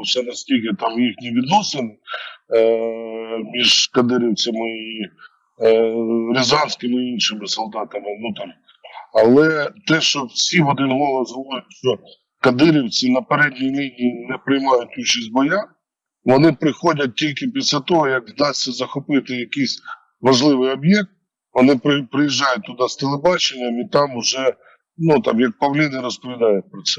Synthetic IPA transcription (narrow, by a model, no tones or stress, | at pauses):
wsɛnɐsʲtʲilʲkɪt̪ɑmjixnʲiʋʲid̪nɔsɪnɪ | mʲiʒkɐd̪ɪɾʲiwt͡sʲɐmɪi | ɾʲɪzɑnʲsʲkɪmɪinʃɪmɪsɔlˠd̪ɑt̪ɐmɪwnut̪ɪr | ɐlˠɛt̪ɛʃt͡ʃɔwsʲiʋɔd̪ɪnɦɔlˠɐzɦɔʋɔjʊtʲʃt͡ʃɔ | kɐd̪ɪɾʲiwt͡sʲinɐpeɾɛdʲnʲinʲinʲinɛpɾɪjmɑjʊtʲut͡ʃɐsʲt̚ʲbɔja | ʋɔnɪpɾɪxɔdʲɐt̚ʲtʲilʲkɪpʲisʲlʲat̪ɔɦɔjɐkzd̪ɑsʲːɐzɐxɔpɪt̪ɪjɐkɪsʲ | ʋɐʒlˠɪʋɪjɔbjɛk̚t̪̚ | ʋɔnɪpɾɪpɾɪjiʒːɑjʊt̚ʲt̪ʊd̪ɑst̪elˠebɑt͡ʃenʲːɐmit̪ɑmʊʒɛ | nut̪ɑ̰mjɐk̚pɐwlʲinɪɾɔspɔʋʲid̪ɑjʊt̚ʲpɾɔt̪sɛ